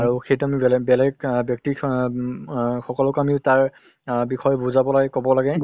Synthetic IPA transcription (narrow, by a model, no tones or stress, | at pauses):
aɹuxejtuamiblbɛlɛɡbjɔk̚ti | xɔkɔlɔkamiʊtaɹ | bixʰɔjɔbuzabɔlaɡɛkɔbɔlaɡɛ